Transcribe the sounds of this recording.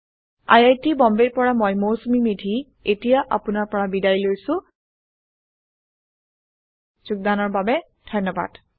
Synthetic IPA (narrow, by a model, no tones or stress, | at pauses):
a̰jajtibɔmbeɹpɔɹamojmowsumimedʱi | etijaʔa̰pʊnaɹpɔɹabidajlojsʊ̃ | z̥uɡ̚danɔɹbabɛ | d̥ʱɔjnːɔba̰d̥